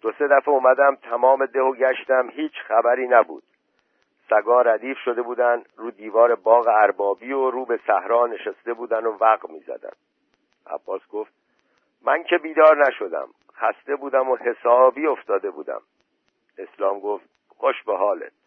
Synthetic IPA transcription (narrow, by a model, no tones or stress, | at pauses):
d̪̥o̞se̞d̪æfeuːmæd̪æmt̪ʰæmɒːme̞d̪e̞hoɟæʃt̪æmhiːt͡ʃʰxæbæɾiːnæbṵːd̪̥ | sæɡɒːɾæd̪iːfʃo̞d̪e̞buːd̪ænɾuːd̪iːvɒːɾe̞bɒːɣeæɾbɒːbiːoɾuːbe̞sæhɾɒːne̞ʃæst̪e̞buːd̪ænovæɣmiːzæ̰d̪æ̰n | ʔæ̰b̥ːɒːsɡo̞ft̪̚ | mæncʰe̞biːd̪ɒːɾnæʃo̞d̪æ̰m | χæst̪e̞buːd̪æmohe̞sɒːbiːo̞ft̪ɒːd̪e̞bṵːd̪æ̰m | e̞slɒːmɡo̞ːft̪̚ | xo̞ʃbeɦɒːle̞̰t̪̚